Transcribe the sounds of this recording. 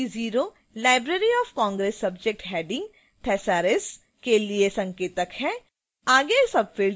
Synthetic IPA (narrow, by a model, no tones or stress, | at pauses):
iziːɾo | laːɪbɾeːɾiɔːfkɔ̃ːŋɡɾeːsːɐb̚d͡ʒek̚ʈɦɛːɖɪ̃ŋɡ | ʈ̪ʰɛːsaːɾes | keliesɐ̃ŋkeːt̪əkɦɛ | aːɡesɐbfɪːl